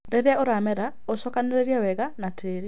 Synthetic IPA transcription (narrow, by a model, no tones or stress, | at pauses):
ɾeɾjaoɾamɛɾa | osɔkaneɾeɾjawɛɡanatʰeːɾi